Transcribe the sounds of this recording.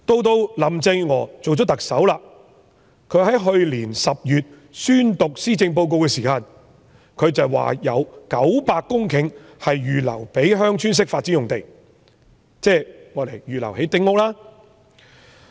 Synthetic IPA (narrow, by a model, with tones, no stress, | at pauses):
t̪o˧wt̪o˧wlɐ˨˩mt͡sɪ˧ŋŋɔː˨˩t͡so˨wt͡ʃɔ˥t̪ɐ˨k̚sɐ˨˥wlaː˧ | kʰɵ˨˧˥hɐ˨˥jɦɵ˧ɥliː˨˩nsɐ˨p̚jyː˨t̚ | syː˥nt̪ʊ˨k̚siː˥t͡sɪ˧ŋp̬o˧wk̬o˧wkɛː˧siː˨kaː˧n | kʰɵ˨˧ɥt͡sɐ˨wwa̰ː˨˩jɐ̰˨˧wkɐ˨˥wpaː˧kːʊ˥ŋkʰɪ˨˧ŋhɐ˨jjyː˨lɐ̰˨˩wpe˨˥jɦœː˥ŋt͡ʃʰyː˥ns̬ɪ˥k̚faː˧t̚t͡si˨˥ʊ˨ŋt̪e˨j | t͡sɛː˥˩ŋɔː˨˧le˨˩jjyː˨lɐ̰˨˩wɦe˨˥jt̪ɪ˥ŋʊ˨˧k̚laː˥